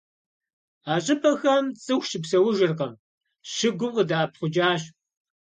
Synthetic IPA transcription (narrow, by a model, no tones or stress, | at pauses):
aːɕʼɪpʰɐxɐmt͡sʼɨxʷʃɪpsɐwʊʒɪrqɐm | ʃɪɡʷʊqədaːp̚χʷʊd͡ʒaːɕ